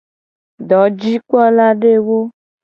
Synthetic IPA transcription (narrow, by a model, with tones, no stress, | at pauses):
ɖɔ˨˦d͡ʒi˦k͡pɔ˦la˦ɖe˦wo˦